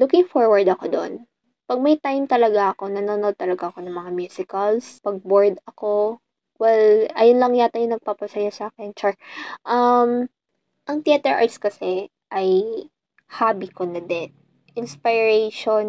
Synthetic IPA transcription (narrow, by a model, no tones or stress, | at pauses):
lukɪŋfoɹwɐɹd̪ɐkod̪oʔon | pɐɡ̚mɐjt̪ajmt̪ɐlɐɡaʔɐko̞nɐnoːnod̪̚t̪ɐlɐɡaʔɐko̞nɐŋmɐŋamjuːsɪkɐlspɐɡ̚boɹd̪ɐko̞ | wɛlʔɐjonlɐŋjat̪ajonɐɡ̚pɐpɐsɐjosaːkɛnt͡ʃɛʔɐm | ʔɐŋt̪ɪɛt̪ɛɹʔa̰ɹt̪skɐsɛ | ʔɐj | haːbikonɐd̪ɛt̪̚ | ʔɪnspɪɹɛʃon